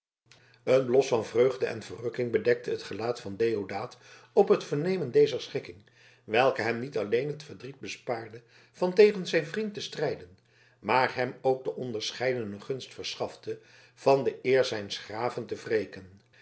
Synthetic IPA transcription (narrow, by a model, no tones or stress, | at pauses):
ənblɔsfɑnvrøɥχdəʔɛ̰nv̥ərɵkɪŋbədɛk̚təɦətχəlaːtfɑndejodaːt | ɔpɦətfəɹnejməndejzəɹsχɪkɪŋ | ʋɛlˠkəɦɛmnitɑlejnɦətfəɹdrid̚bəspaːɹdə | v̥ɑntejχənzɛjnvrintəstrɛjdən | maːɹɦɛmowɡ̚dəʔɔndəɹsχɛjdənəχɵnstfəɹsχɑftə | v̥ɑndəʔɪːɹzɛjnsχraːvəntəvrejkən